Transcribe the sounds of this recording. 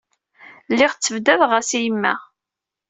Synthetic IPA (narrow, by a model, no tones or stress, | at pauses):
lːɪʁt͡sːəvd̪ævʁæsijmːæ̰